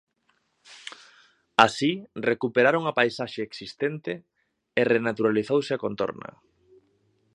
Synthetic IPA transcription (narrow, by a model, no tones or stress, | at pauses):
asirekupeɾaɾoŋapajsaʃeːksist̪ent̪ɪ | erenat̪uɾaliθowsɪakont̪o̰ɾnɐ̰